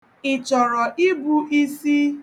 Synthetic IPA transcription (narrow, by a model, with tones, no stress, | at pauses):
ɪ˨t͡ʃɔ˨ɾɔ˨ʔi˦bu˦ʔi˦si˦